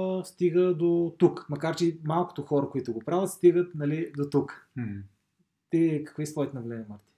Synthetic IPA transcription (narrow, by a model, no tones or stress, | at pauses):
st̪iɡəd̪ot̪ukmɐkaɾt͡ʃɛmalˠko̥t̪oxɔɾəkoit̪ʊɡopɾavət̪st̪iɡət̪nɐlid̪ot̪uk | t̪ikə̥kvisɔit̪ɛnɐɡlɛnimaɾt̪i̥